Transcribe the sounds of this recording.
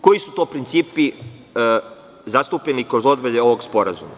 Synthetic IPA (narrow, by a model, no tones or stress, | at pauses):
koisut̪o̞ːpɾint̪siːpi | zast̪upʎenikɾozod̪beʎeo̞ʋo̞ɡspo̞ɾazṵma̰